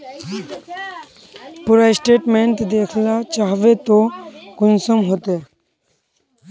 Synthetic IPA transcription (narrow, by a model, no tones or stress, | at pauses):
puɾaisʈeːʈmẽɳʈd̪eːkʰlat͡ʃaːɦʋet̪okʊnsəmɦoːt̪eː